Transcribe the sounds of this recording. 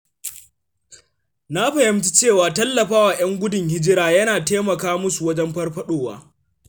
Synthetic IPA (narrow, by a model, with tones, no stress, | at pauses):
na˦ɸɐ˨hɪ˦mt͡ʃi˦t͡ʃeː˦˨waː˨tɐ˦lːɐ˨ɸaː˦waː˨j̰ɐ˦ŋɡʷʊ˦dɪ˨ŋhɪ˦d͡ʒɪ˦ɾaː˦jɐ˦naː˨teː˦mɐ˨kaː˦mʊ˦su˨wɐ˦d͡ʒɛ˦mɸɐ˦rɸɐ˦ɗoː˨wa̰ː˦